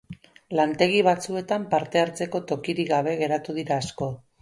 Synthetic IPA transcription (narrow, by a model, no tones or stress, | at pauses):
lant̪e̞ɣ̞iβ̞at͡sue̞t̪ampaɾt̪e̞aɾt͡se̞ko̞t̪o̞kiɾiɣaβ̞e̞ɣe̞ɾat̪uð̞iɾaːsko̞